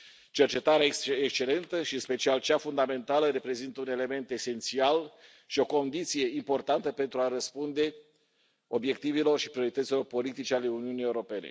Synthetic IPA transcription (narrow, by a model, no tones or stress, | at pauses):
t͡ʃe̞rt͡ʃe̞t̪aɾeaekekst͡ʃele̞nt̪əʃinspe̞t͡ʃialt͡ʃafund̪ame̞nt̪aləɾe̞pɾe̞zint̪əune̞le̞me̞nt̪e̞se̞nt̪sial | ʃio̞ko̞nd̪it̪sije̞impo̞rt̪ant̪əpe̞nt̪ɾuaɾəspund̪e̞ | o̞bje̞kt̪ivilo̞rʃi̥pɾio̞ɾit̪ət̪silo̞rpo̞lit̪it͡ʃeale̞uniunije̞uɾo̞pe̞nḛ